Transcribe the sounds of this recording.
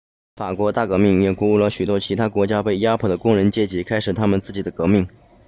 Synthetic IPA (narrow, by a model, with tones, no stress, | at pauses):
fa˨˩kwɔ˧˥t̪a˥˩kɤ˧˥mi˥˩ŋjɛ˨˩ku˧˥u˥˩lə˩ɕy˨˩t̪wɔ˥t͡ɕʰi˧˥t̪ʰa˥kwɔ˧˥t͡ɕja˥pe˥˩ɪja˥pʰɔ˥˩d̪ə˦kʊ˥ŋɻə˧˥nt͡ɕjɛ˥˩t͡ɕi˧˥kʰa˥ɪʂɻ̩˨˩t̪ʰa˥mə˨nt͡sɹ̩˥˩t͡ɕi˨˩d̪ə˦kɤ˧˥mi˥˩ŋ